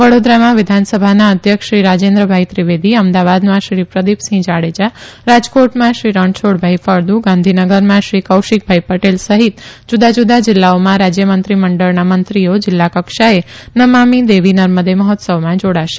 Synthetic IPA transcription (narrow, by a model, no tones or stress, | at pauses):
ʋəɽod̪ɾamãʋɪd̪ʱansəbʱanaəd̪ʱjəkʃɾiɾad͡ʒend̪ɾəbʱaɦit̪ɾɪʋed̪iəmd̪aʋad̪mãʃɾipɾəd̪ipsĩd͡ʒaɽed͡ʒaɾad͡ʒkoʈmãʃɾiɾəɳɖsʰoɽbʱaifəɾd̪uɡãnd̪ʱinəɡəɾmãʃɾikəwʃik̚bʱaipəʈelsəɦit̪d͡ʒud̪ad͡ʒud̪ad͡ʒɪlːaomãɾad͡ʒjəmənt̪ɾiməɳɖəɭnamənt̪ɾiod͡ʒɪlːakəkʃaenəmamid̪eʋinəɾməd̪eməɦɔt̪səʋmãd͡ʒoɽaʃe̥